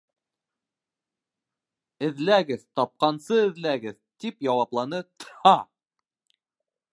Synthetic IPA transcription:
ɘ̆ðlæɡɘðt̪ɒp̚qɑnsɤɘ̆ðlæɡɘðt̪ipjɑwɑplˠɑnɤt̪ɤhɑ

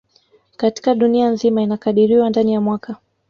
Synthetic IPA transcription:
kati̥kaɗunianzimainakaɗiɾiwandanijamwaka

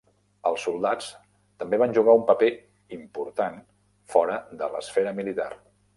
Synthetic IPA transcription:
əlˠsulˠd̪at͡s | t̪əmbeβ̞anʒuɣaumpəpe | impuɾt̪an | fɔɾəd̪ələ̰sfɛɾəmilit̪a̰r

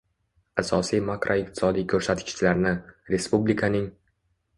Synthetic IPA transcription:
asɒsijmakɾʔoɪq̚t̪ʰɪ̥sɒd̪ijkʲʰɵɾsat̪kʲɪ̥t͡ʃʰɪlaɾnɪɾe̞spublikʰanɪŋ

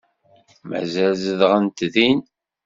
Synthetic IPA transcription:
mæ̰zælzəðʁənt̪ðin

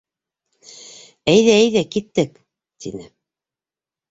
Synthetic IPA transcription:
æjðæːjðækit̪ːɘk | t̪ʰḭnɘ

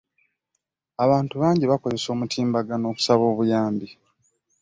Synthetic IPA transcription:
aβaːntuβaːɲɟiβako̞ze̞so̞ːmutʰiːmbaɡano̞ːku̥saβoːβujaːmbi

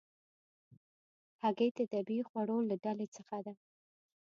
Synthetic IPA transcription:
haɡejt̪ad̪abixwaɽolaɖalet͡səxad̪a

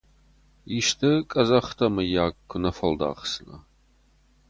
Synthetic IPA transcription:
iʃtʰɨkʼɐzɐχtʰɐmɨjaːkːʷʊnɐfɐld̪a̰ːχsɨnɐ̰

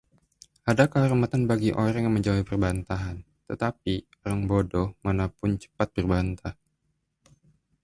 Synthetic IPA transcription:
adakəɦɔrmat̪anbaɡiʔoɾaŋjaŋməɲd͡ʒawipərbant̪aɦan | t̪ət̪api | oɾaŋbodɔhmanapʊnt͡ʃə̥pat̪̚bərbant̪ah

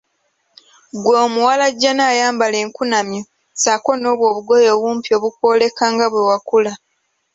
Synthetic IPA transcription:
ɡwoːmuwalaɟːanaːjaːmbale̞ːŋkunamjo | sako̞no̞ːβwoːβuɡo̞jo̞ːβuːmpio̞ːβuko̞ːle̞kaːŋɡaβwewakula

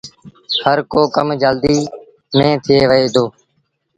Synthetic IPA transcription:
həɾkoːkəmd͡ʒəld̪iː | mẽːt̪ʰɪjeːʋəeːd̪oː

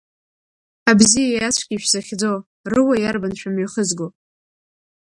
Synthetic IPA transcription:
abzijajat͡ɕʷʰɡʲiʃᶣzaχʲd͡zow | rɨwajarbanʃᶣamɥiχəzɡo

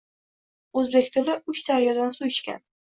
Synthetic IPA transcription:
ɵzbekʲt̪ʰɪlɪʊt͡ʃd̪aɾjɒd̪ansuɪʃkʲa̰n

